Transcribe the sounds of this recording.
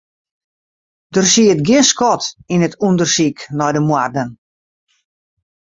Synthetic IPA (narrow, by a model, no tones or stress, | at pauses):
d̥ərsiət̚ɡɪskɔtinətʰundərsiknɔjdəmwardən